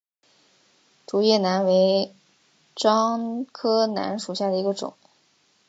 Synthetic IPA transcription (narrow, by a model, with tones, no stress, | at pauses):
ʈ͡ʂu˨˩jɛ˥˩na˧˥nwe˧˥ɪ | ʈ͡ʂɑ˥ŋkʰɤ˥na̰˧˥nʂu˨˩ɕja˥˩d̪ə˩i˧˥ɡə˧ʈ͡ʂʊ̰˨˩˦ŋ